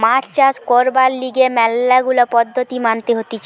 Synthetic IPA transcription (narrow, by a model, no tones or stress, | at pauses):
mat͡ɕt͡ɕaskoɾbalːiɡemɛlːaɡulopɔd̪ʱːot̪imant̪eɦot̪it͡ɕʰ